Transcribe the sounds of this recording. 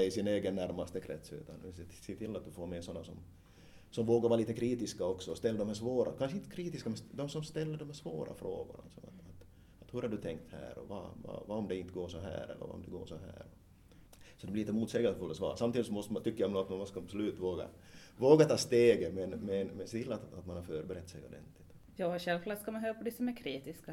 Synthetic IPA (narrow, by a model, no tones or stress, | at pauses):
ɛɪsɪneːɡənːæɾmast̪əkʰɾɛ̰t̪sʉ̰ːt̪anʉsseːt̪ʰɪlːat̪̚d̪ʉfoːɾmɛsɔnːasɔm | sɔmvoːɡaɾvɑːaliːt̪əkʰɾiːt̪ɪskaɔksɔɔst̪ɛlːd̪ɔmæːʂvoːɾʔa̰kʰanʂəɪnt̪ə̥kʰɾiːt̪ɪskamɛnsd̪ɔmsɔmst̪ɛlːəɖɔmhæːʂvo̰ːɾa̰fɾo̰ːɡʊɳa̰lsɔma̰t̪at̪ | at̪hɵɾhaɖʉt̪ʰɛŋk̚t̪hæ̰ːɾɔ̰va̰vɑ̰vaɔmd̪ɛɪnt̪əɡoːʂɔɦæ̰ːɾɛ̰lːə̰va̰ɔ̰md̪ɛɡo̰ːʂɔɦæ̰ːɾɔ | sɔd̪ɛblɪlɪt̪əmuːt̪sɛːɡəlsfɵlt̪ːɔsvɑ̰ːɾsamt̪iːd̪ɪsɔmɔst̪əmant̪ʏkːəjamnuat̪mmɔskaabsɔlʉ̟ːt̪voːɡa̰ | voːɡat̪ʰɑːst̪eːɡəmɛnmɛnmɛsɛt̪ʰɪlːat̪at̪manhaɾfœːɾbɛɾɛt̪ːsɛjɔd̪ɛ̰nt̪lɪt̪ | jɑːɕɛlflaskamanɦøːɾpɔd̪ɛsɔmæɾkʰɾiːt̪ɪska